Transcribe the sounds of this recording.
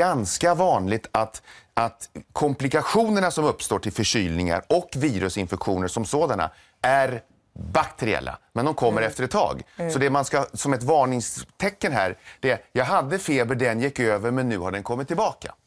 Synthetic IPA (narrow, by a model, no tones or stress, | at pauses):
anskavɑːnlɪɡ̚t̪ʰat̪at̪kʰɔmplɪkaɧuːnəɳasɔmɵpːst̪oːʈʰɪlfœʂyːlnɪŋa̰ɾɔkːviːɾɵsɪnfɛkɧuːnəʂɔmsoːd̪ana̰ | æɾ | bakt̪ʰɛɾɪɛ̰lːa̰mɛnd̪ɔmkʰɔmːəɾɛft̪əɾɛt̪ʰːɑ̰ːɡsɔd̪ɛmanskasɔmɛt̪vɑːɳɪŋst̪ʰɛkːənɦæ̰ːɾɖ̥̪ɛæɾjɑːɡɦad̪ːəfeːbəɖɛnjɛkːøːvəɾmɛnːʉ̟̰ːhaɖɛnkʰɔmːɪt̪ʰːɪlbɑːka̰